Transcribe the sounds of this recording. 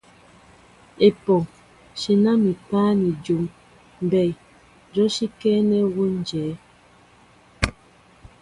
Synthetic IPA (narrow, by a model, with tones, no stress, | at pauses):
e˨pɔ˨ | ʃi˨na˦mi˨paː˦ni˨d͡ʒu˨m | m˨bɛ˨ | d͡ʒɔ˦ʃi˦kɛː˦nɛ˦wo˦n˦˨d͡ʒɛː˨˦